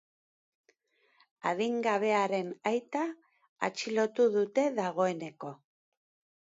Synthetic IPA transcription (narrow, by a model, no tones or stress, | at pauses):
aðiŋɡaβ̞e̞aɾe̞najt̪aː | t͡ʃilo̞t̪uðut̪e̞ðaɣ̞o̞e̞ne̞ko̞